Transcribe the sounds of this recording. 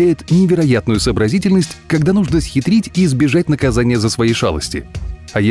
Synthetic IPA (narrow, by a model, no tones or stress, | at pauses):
æjɪt̪nʲɪvʲɪɾɐjat̪nʊjʊsəːbɾɐzʲitʲɪlʲnəsʲtʲkɐɡd̪anuʐnəsʲxʲɪt̪ɾʲitʲiːzbʲɪʐatʲnəkɐzanʲɪjəzəsvɐjejʂa̰lˠə̰sʲtʲɪ̰ɐja